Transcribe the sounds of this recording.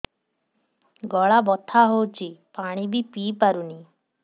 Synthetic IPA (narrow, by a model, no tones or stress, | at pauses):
ɡɔɭabɔt̪ʰaɦowt͡ʃʰipaɽ̃ibipiːpaɾuni